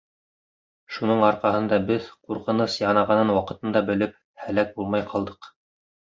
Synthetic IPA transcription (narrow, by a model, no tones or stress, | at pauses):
ʃunɤɴɑɾqɑhɤ̆nd̪ɑbɘðquɾqɤ̆nɤsjɑnɑʁɑnɤnwɑqɤ̆t̪ɤ̆nd̪ɑbɘ̆lɘp̚ | hælæk̚bulˠmɑjqʰɑlˠd̪ɤq